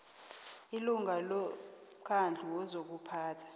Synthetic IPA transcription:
iluŋalɔ | mkʰand͡ɮʱuwɔzok̬upʰaːtʰḁ

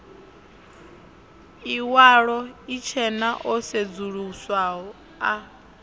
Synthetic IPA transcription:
iwaɺɔit͡ʃʰɛnaʔɔsed͡zuɺuswaɦɔ | a

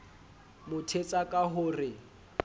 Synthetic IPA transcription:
mʊtʰet͡sʼakʼaɦʊrɪ

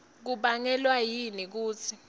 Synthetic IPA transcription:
k̬uɓaŋɛlwajinik̬uːt͡sʰi

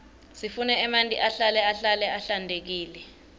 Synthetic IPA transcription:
sifunɛɛmantʼḭʔaɬalɛaɬalɛʔaɬandʱek̬iːlɛ

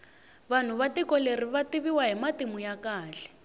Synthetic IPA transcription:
βan̤uβatikɔleriβatiβiwaɦimatimujakaːɬɛ̥

